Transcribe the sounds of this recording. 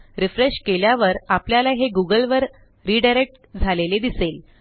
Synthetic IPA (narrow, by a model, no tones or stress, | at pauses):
ɾifɾeɕkeljaʋəɾapljalaɦeɡuɡəlʋəɾ | ɾiːɖajɾek̚ʈ | d͡zʱaleled̪isel